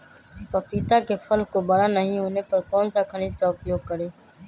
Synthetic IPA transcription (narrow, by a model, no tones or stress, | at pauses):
pəːpiːt̪aːkeːfʰəlkoːbəɽaːnəɦĩːʊneːpəɾkoːnsãːkʰəɽ̃iːd͡ʒ̪kaːʊpjoːɡ̚kəɾeː